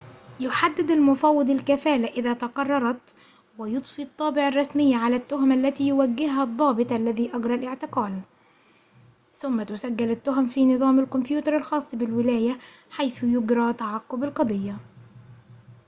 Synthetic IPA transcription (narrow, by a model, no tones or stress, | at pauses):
jʊħad̪ːɪd̪almʊfawːɪd̪ˤalkafæːlaʔɪðaːt̪ɑqɑrˤːɑɾˤɑt̪ | wɪjʊt̪ˤfiɑt̪ˤːɑːbɪʕɑrˤːɑsmɪjːaʕalat̪ːʊɦʊmʔalːæt̪iːjʊwaɡːɪhhad̪ˤːɑːbɨt̪ˤʔalːæðiːʔɑɡɾˤɑlʔɪʕt̪ɪqɑːl | θʊmːat̪ʊsaɡːɪlɪt̪ːʊɦʊmfiːnɨðˤɑːmɪlkʊmpjuːt̪ɑɾˤɑlxɑːsˤːbɪlwɪlæːja | ħajθʊjʊɡɾˤɑːt̪aʕaqːʊbɪlqɑd̪ˤɨjːa